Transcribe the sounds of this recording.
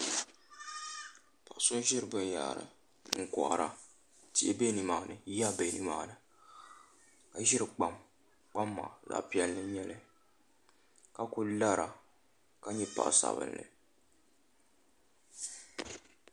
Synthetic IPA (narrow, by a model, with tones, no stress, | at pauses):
pa˨ʔsʊ˦n˦ʒɪ˦ɾɨ˨bɨ˦n˦ja̰˨ʔɾɨ̰˨ | ŋ̩˨kɔ̰˨ʔa̰˨ɾa̰˨ | ti˨ʔe˦be˦nɨ˨maː˨nɨ˨˦ja˦be˨nɨ̰˦maː˨nɨ˨ | ka˨ʒɪ˦ɾɨ˨k͡pa˨m | k͡pa˦mːa̰˨za̰˨pi˦ɛ˦lːɨ˦ɲɛ˦lɨ˦ | ka˦ku˦la˦ɾa˨ | ka˦ɲɛ˦pa̰˨ʔsa̰˨bɨ̰˦n˨lɨ̰˨